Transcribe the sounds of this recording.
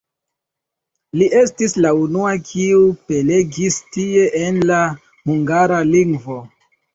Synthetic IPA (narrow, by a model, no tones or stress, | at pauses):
liʔe̞stislaunuakʰiupe̞le̞ɡistie̞ʔenla | huŋɡaɾaliŋɡvo̞